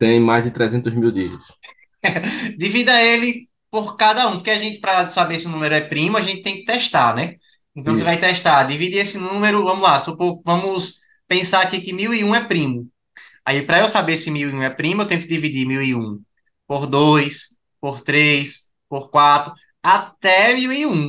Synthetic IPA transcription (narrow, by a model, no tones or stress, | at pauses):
t̪ẽj̃majzd̪ɪt̪ɾɛzẽnt̪ʊzmiwd̪iʒit̪ʊ̥s | d̪ivid̪ɐelɪ | poɾkad̪ɐũpoɾkeaʒẽnt̪ɪ̥pɾɐsabesiʊnũmeɾʊɛpɾĩmʊaʒẽnt̪ɪt̪ẽkɪ̥t̪ɛʃt̪aɾnɛ | ẽnt̪ɐ̃w̃sevajt̪ɛʃt̪ad̪ivid̪iesɪnũmeɾʊvɐ̃mʊzlasopovɐ̃mʊs | pẽsaɾakikɪmiwiũɛpɾĩmʊ | aipɾɐewsabeɾsɪmiwiũɛpɾĩmʊewt̪ẽt̪ʊɪd̪ivid̪imiwiṵ̃ | poɾd̪ojs | poɾt̪ɾejs | poɾkwat̪ɾʊ | at̪ɛmiwiũ